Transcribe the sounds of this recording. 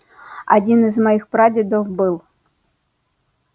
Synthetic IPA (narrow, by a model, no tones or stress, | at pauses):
a̰dʲinɨzmɐjixpɾadʲɪd̪ɔfbɨlˠ